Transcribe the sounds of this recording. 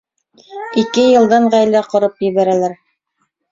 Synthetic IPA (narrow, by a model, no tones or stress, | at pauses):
ikɘjɤ̆lˠd̪ɑɴʁæjlæqŏɾɤpjɘ̆βæɾælæɾ